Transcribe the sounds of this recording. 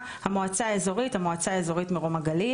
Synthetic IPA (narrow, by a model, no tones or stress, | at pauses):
hamoat͡saːezo̞ʁithamoat͡saːezo̞ʁitmeʁomaɡali